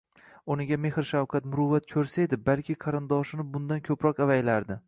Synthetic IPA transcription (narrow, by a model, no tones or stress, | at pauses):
ʊnɪɡʲame̞hɾʃawkʰat̪mʊɾʊvːat̪̚kʲʰɵɾsaed̪ɪbalkʲʰɪqʰɑɾɪnd̪ɒʃɪnɪbʊnd̪ankʲʰɵpɾɒqavajlaɾd̪ɪ